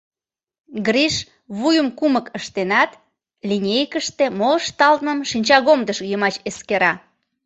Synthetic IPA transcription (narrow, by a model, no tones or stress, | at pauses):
ɡriʃ | βujəmkuməkəʃt̪enɑt̪ | lʲinʲejkəʃt̪emoʃt̪ɑlt̪nəmʃinʲt͡ɕɑɣomd̪əʃjəmɑt͡ɕeskeɾɑ